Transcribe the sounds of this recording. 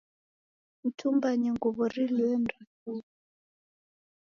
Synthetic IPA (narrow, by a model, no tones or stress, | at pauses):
m̩tʰumbaɲɛŋɡɔβɔriliɛn̩rasu